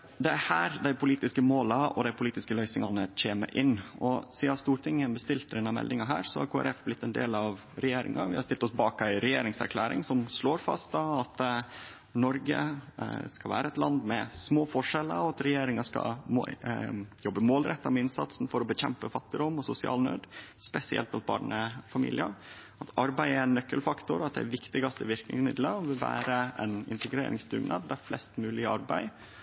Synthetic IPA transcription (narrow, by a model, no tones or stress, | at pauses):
d̪ɛæhæːɾd̪æɪpʊliːt̪ɪskəmoːlɑɔ̰d̪æɪpʰʊliːt̪ɪskəlœʏsɪŋɑnəc͡çeːmə̰ɾʔɪnːɔsiːɑst̪uːɾʈ̪ʰɪŋːəbəst̪ɪlt̪ɾɪnːɑmɛ̰ld̪ɪŋɑɦæ̰ːɾsɔ̰hɑ̰ɾkʰoːæ̰ɾʔɛfblɪt̪ːɛnd̪ḛːlɑʋ | ɾɛjeːɾɪ̰ŋʔɑ̰ʋɪ̰hɑɾsɪlt̪ɔsbɑːkæɪɾɛjḛːɾɪŋsæ̰ɾkʰlæːɾɪ̰ŋsɔmsloːɾfɑ̰st̪d̪ɑɑt̪ | nɔɾɡə̰skɑʋæ̰ːɾəɛt̪lɑnd̪mɛsmoːfɔʂɛlə̰ɾɔɑt̪ɾɛjeːɾɪŋɑskɑ̰m | jɔbːəmoːlɾɛt̪ːɑmɛɪnsɑ̰t̪sn̩fɔɾɔbəçɛmpəfɑt̪ːɪd̪ʊmːɔsʊsɪɑ̰ːlnø̰ːd̪spɛsɪɛ̰lt̪ɑɑt̪̚bɑ̰ːɾɳəfɑmḭːlɪə | ɑt̪ɑɾbæɪənːœkːəlfɑkt̪ʊɾɑt̪̚d̪ɛæʋɪkt̪ɪɡɑst̪əʋɪɾknɪ̰ŋsmɪd̪ləɾɔʋɪlʋæ̰ːɾəɛ̰nɪ̰nt̪əɡɾḛːɾʔɪ̰ŋsd̪ʉ̰ɡnɑ̰d̪æɾflɛ̰st̪mʉːlɪɑɾbæɪ